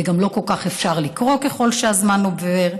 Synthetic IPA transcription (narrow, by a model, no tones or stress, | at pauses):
eɡamlo̞ko̞lkaχefʃaʁlikʁo̞ke̞χo̞lʃeazmanoveʁ